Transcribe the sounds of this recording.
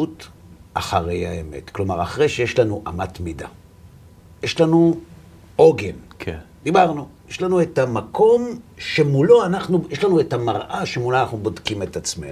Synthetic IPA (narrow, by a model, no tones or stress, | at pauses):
ut | ʔaχaʁe̞jha̰eme̞̰tklo̞maʁaχʁejʃeje̞ʃlanuʔamatmida̰ | jeʃlanu | oɡenkd̪ibaʁnujeʃlanuetamakʰo̞mʃe̞mulo̞anaχnujeʃlanuetamaʁʔaʃemuloanaχnubo̞dkimetat͡smḛn